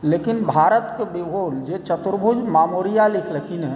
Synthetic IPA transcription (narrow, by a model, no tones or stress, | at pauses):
leːkinbʱaːɾət̪kebibʱold͡ʒet͡ʃət̪ɾbʱud͡ʒmaːmoːɾijalikʰləkʰine